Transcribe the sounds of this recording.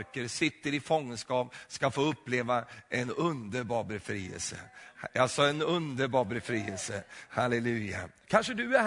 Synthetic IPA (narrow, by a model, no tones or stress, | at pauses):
ɾkəɾsɪt̪ːəɾɪfɔŋːənskɑːpskafoːɵpːleːvaʔɛnɵnd̪əɾbɑːɾbɛfɾiːɛ̰lsə̰jɑsɑːɛnɵnd̪əɾbɑːɾbɛfɾiːɛlsəhalɛlʉ̟ːja̰kʰanʂəd̪ɵæ